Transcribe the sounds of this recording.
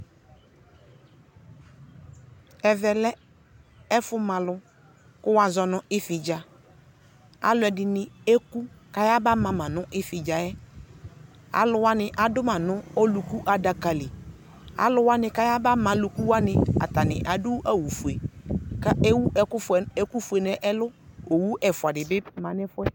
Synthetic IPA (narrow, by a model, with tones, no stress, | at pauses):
ɛ˨vɛ˨lɛ˦ | ɛ˦fʊ˦mã˨lʊ˨ | kʊ˦wa˨zɔ˨nʊ˨ɪ˦fɪ˨d͡ʒa˨ | a̰˨lʊ˨˦ɛ˨dɪ˨nɪ˨e˦ku˦ | ka˨ja˦ba˦mã˨mã˨nʊ̃˦ʔɪ˦fɪ˨d͡ʒa˨jɛ˦ | a̰˨lʊ˨˦wa˦nɪ˨ʔa˨dʊ˦mã˨nʊ̃˦o˦lu˨ku˦ʔa˨da˨ka˨lɪ˨ | a̰˨lʊ˦wa˦nɪ˨ka˦ja˦ba˦mã˨lu˨ku˦wa˦nɪ˨a̰˨ta˨nɪ̰˨ʔa˨dʊ˦ʔa˦wu˨fu˨e˨ka˦e˦wu˦ʔɛ˨kʊ˦fɛ˨e˦ku˦fu˨e˨nɛ˨ʔɛ˦lʊ˦o˨wu˦ʔɛ˨fʊ˨a˨dɪ˨bɪ˦mã˨nɪ˦fʊ˦ɛ˦